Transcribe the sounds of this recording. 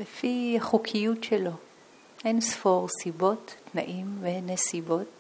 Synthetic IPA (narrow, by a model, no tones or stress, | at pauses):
lefihaχukʰijutʃelo̞ | ʔe̞nsfo̞ʁsibo̞tːna̰ʔimvenesibo̞t